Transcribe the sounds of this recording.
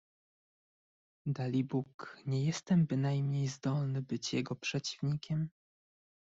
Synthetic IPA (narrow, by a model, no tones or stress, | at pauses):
d̪alʲibukɲɛjɛst̪ɛmbɘnajmɲejzd̪ɔlnɘbɘt͡ɕjɛɡɔpʂɛt͡ɕivɲikʲɛm